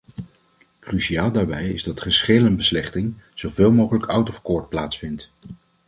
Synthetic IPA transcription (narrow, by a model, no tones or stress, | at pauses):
krysiaːlˠdaːɹbɛjɪzdɑtχəsχeːlənbəslɛχtɪŋz̥owveːlˠmowχələkʌwtɔfkɔːɹt̚plaːtsfɪnt